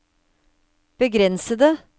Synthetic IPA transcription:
b̥əɡɾɛnsəd̪ə

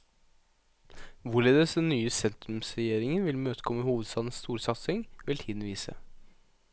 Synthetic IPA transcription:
ʋʊɭeːd̪əsɛnyːəsɛnt̪ɾʉmsɾɛjeːɾɪŋənʋɪlmøːt̪ə̥kʰɔməhuːʋəd̪st̪ɑːd̪n̩st̪uːɾsɑt̪sɪŋʋɪlt̪ʰiːd̪n̩ʋiːsə̰

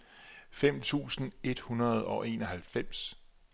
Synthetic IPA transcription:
fem̰t͡sʰṵːsn̩e̝d̥hunɐð̞ˠɒ̽ʔe̝̰ːnɒɦælfem̰s

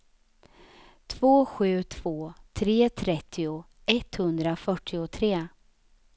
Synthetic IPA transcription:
t̪ʰv̥oːɧʉ̟ːt̪ʰv̥oːt̪ʰɾeːt̪ʰɾɛt̪ʰːɪʊ | ʔɛt̪hɵnd̪ɾafœʈʰːɪʊt̪ʰɾeː

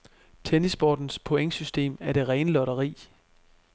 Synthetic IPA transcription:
t͡sʰenisb̥ɒːd̥n̩spʰoeŋəsysd̥e̝̰ːmæɐɾ̥e̝ʁɛːnlɒ̽ɾɐʁḭː

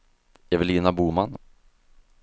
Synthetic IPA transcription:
ɛvɪlɪːnabuːman

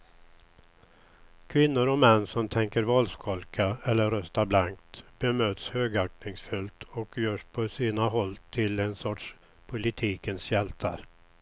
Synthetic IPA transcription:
kʰvɪnːʊɾɔmɛnːsɔmt̪ʰɛŋkəɾvɑlskʰɔlkʰaɛlːəɾœst̪aɾblaŋkt̪b̥ɛmøːt̪shøːɡaknɪŋsfɵlt̪ʰɔkjœːʂpʰɔsiːnaɦɔlːt̪ʰɪlɛnsɔʈʂ | pʰʊlɪt̪ʰiːkənsjɛlt̪ʰa̰ɾ

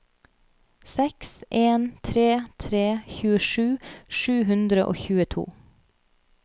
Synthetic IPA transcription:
sɛksʔeːnt̪ʰɾeːt̪ʰɾeːçʉːəʃʉːʃʉːɦʉnd̪ɾəʔo̰ːçʉːət̪ʰṵː

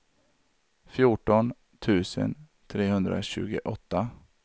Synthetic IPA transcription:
fjuʈɔn | t̪ʰʉ̟ːsə̰n | t̪ʰɾeːhɵnd̪ɾa̰ɕʉ̟ːɡəʔɔt̪ːa

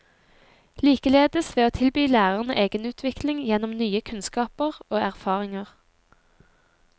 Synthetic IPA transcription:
liːkəleːd̪əsʋeːoːt̪ʰɪlbyːlæːʁəʁnəʔeːɡənʉːt̪ʰʋɪklɪŋjɛnɔmnyːəkʰʉnskɑːpəʁoːæʁfɑːʁɪŋəʁ

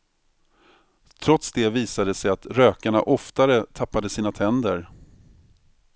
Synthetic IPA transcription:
t̪ʰɾɔt̪sd̪ɛviːsad̪əsɛjat̪ɾøːkaɳa̰ʔɔft̪aɾət̪ʰapːad̪əsiːnat̪ʰɛnd̪əɾ

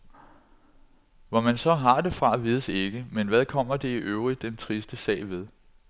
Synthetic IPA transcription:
ʋɒmænsɒ̽ɦɑ̈d̥e̝fʁɑ̈ʋiːð̞ˠəse̝ɡ̥əmenʋæð̞ˠkʰɒ̽m̰ɐd̥e̝iʔøʊʁid̥ːent͡sʰʁisd̥əsɛ̰ːʋe̝ð̞ˠ

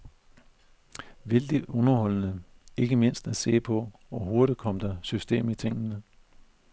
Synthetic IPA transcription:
ʋe̝ld̥iɔ̽nɐhɒ̽l̰nəe̝ɡ̥əme̝n̰sd̥æse̝̰ːpʰɒ̽ | ʋɒɦo̝ɐɾ̥i̥kʰɒ̽m̰d̥ɑ̈sysd̥e̝̰ːmit͡sʰe̝ŋ̰ənə

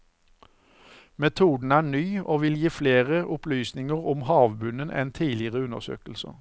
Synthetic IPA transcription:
mɛt̪ʰuːd̪n̩æːnyːoːʋɪljiːfleːʁəʔʊplyːsnɪŋəʁʊmhɑːʋbʉnənʔɛ̰nt̪ʰiːlɪəʁəʉnə̰ʁsø̰ːkəlsə̰

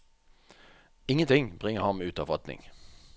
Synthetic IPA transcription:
ɪŋːənt̪ʰɪŋbʁɪŋəhɑnmeʉːt̪ɑʋʁɑt̪nɪ̰ŋ

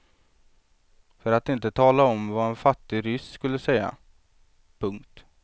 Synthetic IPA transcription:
fœɾat̪ɪnt̪ət̪ʰɑːlaɔmvaɛnfat̪ːɪɾʏsskɵlːəsɛjːa̰ | pʰɵŋkt̪

